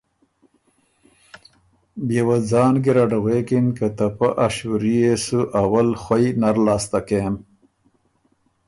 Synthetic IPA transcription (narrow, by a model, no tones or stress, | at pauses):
bjewad͡zɑːnɡiɾaɖaɣekinkat̪apaʔaʃuɾijesuʔawalxwajnaɾlɑːst̪akem